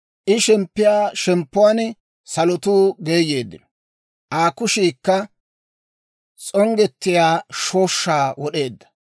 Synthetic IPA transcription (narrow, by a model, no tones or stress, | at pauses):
ʔɪʃɛmpːɪjaːʃɛmpːʊwan | sɐlɔt̪uːɡeːjːe̞ːd̪ːɪnɔ | ʔaːkʊʃiːkːɐ | t͡sʼɔŋɡɛt̪ːɪjaːʃoːʃːaːwɔɗe̞ːd̪ːɐ̥